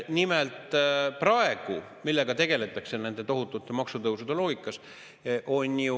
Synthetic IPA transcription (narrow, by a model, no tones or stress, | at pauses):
nimelt̪ˑprɑe̞ɡ̥u | milːeɡɑt̪e̞ɡ̥e̞le̞t̪ːˑɑksene̞nd̪̥e̞t̪o̞ɦut̪ːˑut̪ːˑe̞mɑksut̪ɤwsud̪e̞loːɡikːˑɑs | ʔo̞nʲju